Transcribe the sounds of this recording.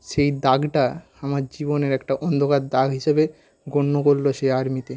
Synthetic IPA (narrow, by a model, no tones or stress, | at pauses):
ʃejd̪aɡʈa | amaɾd͡ʑiboneɾɛkʈaʔɔnd̪ʱokad̪d̪aɡʱɦiʃebe | ɡoɳːokoɾloʃejaɾmit̪e